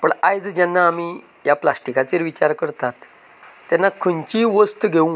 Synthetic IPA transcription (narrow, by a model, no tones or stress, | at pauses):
pəɳajd͡zd͡ʑanːaːmi | japlasʈikat͡seɾʋit͡ɕaɾkəɾt̪at̪ː | janːakʰəɲt͡ɕiʋəst̪ɡʱeũ